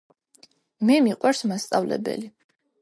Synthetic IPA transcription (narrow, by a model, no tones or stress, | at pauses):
mɛmiqʼwaɾsmast̪sʼavlɛ̰bɛ̰li